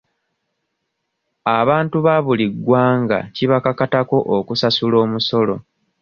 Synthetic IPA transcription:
aβaːntuβaβuliɡːwaːŋɡa̰ciβakakatako̞ʔokusasulo̞ːmuso̞lo̞

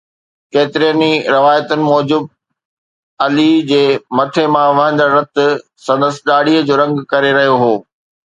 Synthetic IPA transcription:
keːt̪ɪɾijəniɾɐʋaːjət̪ʊnɪ̆mɔːd͡ʑʊb̚ | ɐlid͡ʑeːmɐt̪ʰemãʋɐɦə̃ɲd͡ʑaɾɐt̪ʊ̆ | sɐ̃nd̪əsɪɗaːɽiəd͡ʑoːɾɐ̃ŋɡkɐɾeɾɐɦijoɦoː

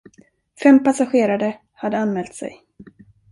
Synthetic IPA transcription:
fɛmpasaɧeːɾad̪ə | had̪ːəanmɛːlt̪sɛ̰j

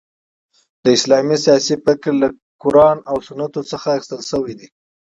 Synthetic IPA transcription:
d̪̥əɪslɑmisijɑsipəkɾla | kʊɾɑnawsʊnat̪ot͡səxaːxi̥st̪əlʃəwid̪i

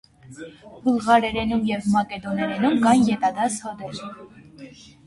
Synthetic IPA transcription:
bəlʁɑɾɛɾɛnumjɛvmɑkɛd̪ɔnɛɾɛnumɡɑnjɛt̪ɑd̪ɑshɔd̪ɛɾ

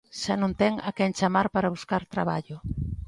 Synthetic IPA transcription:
ʃanõnt̪ɛŋa̰kɛnt͡ʃamaɾpaɾaβuskaɾt̪ɾaβaʎʊ

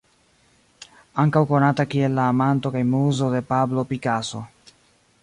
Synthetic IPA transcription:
aŋkawko̞natakie̞lːaːmanto̞kajmuzo̞de̞pablo̞pikaso̞

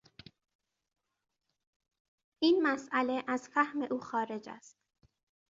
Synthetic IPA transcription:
ʔiːnmæsʔæleʔæzfæhmeʔuːxɒːɾe̞d͡ʒæ̰st̪

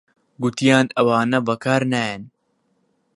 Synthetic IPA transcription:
ɡut̪ijaːnɐwaːnɐbɐkaːɾnajɐn

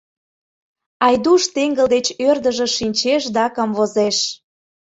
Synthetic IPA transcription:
ɑjd̪uʃt̪eŋɡə̆ld̪et͡ɕørd̪ə̆ʒĕʃinʲt͡ɕeʃd̪ɑkəmvozeʃ

